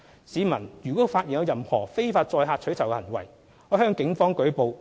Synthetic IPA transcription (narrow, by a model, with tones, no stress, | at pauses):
siː˨˧mɐ˨˩njyː˨˩kɔː˨˥faː˧t̚ji˨njɐ˨˧wjɐ˨˧mhɔː˨˩fe˥jfaː˧t̚t͡sɔː˧jɦaː˧t̚t͡ʃʰɵ˨˥ɥt͡sʰɐ˨˩wɛ˧hɐ˨˩nwɐ̰˨˩j | ɔː˨˧˥hœː˥ŋkɪ˨˥ŋfɔː˥ŋkɵ˨˥ɥpo˨˧w